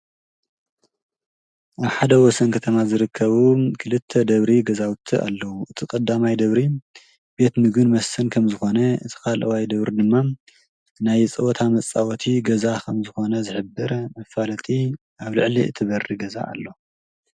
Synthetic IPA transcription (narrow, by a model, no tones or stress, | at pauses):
ʔaβħad̪ɐwɔsɐnkʰɐt̪ʰɐmazɨɾɨkʰːɐβukʰɨlɨt̪ʰːɐd̪ɐβɾiɡɐzawt̪ʰːia̰lːɐwuʔɨt̪ʰikʼɐd̪ːamajd̪ɐβɾi | be̞t̪mɨɡɨnmɐsːɨnkʰɐmzɨxo̞nɐɨt̪ʰi̥kʰalʔɐwajd̪ɐβɾid̪ɨmːa | najt͡sʼɐwɔt̪ʰamɐt͡sʼːawɔt̪ʰiɡɐzakʰɐmzɨxo̞nɐzɨħɨbɨɾmɐfalɐt̪ʼi | ʔaβlɨʕliɨ̰t̪ʰɨβɐriɡɐza̰ʔa̰lːo̞